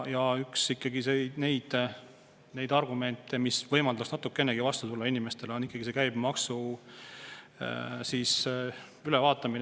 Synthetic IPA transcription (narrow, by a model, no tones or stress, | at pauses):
jɑyksikːɑɡisene̞jd̪̥ | ne̞jd̪ɑrɡume̞nt̪ːˑemisvɤjmɑld̪ɑksnɑt̪ːukːenːeɡ̥ivɑst̪ut̪ulːɑinimest̪e̞leo̞nikːˑɑɡ̥is̬e̞kæjb̥mɑksu | siːs | ylevɑːt̪ːˑɑmin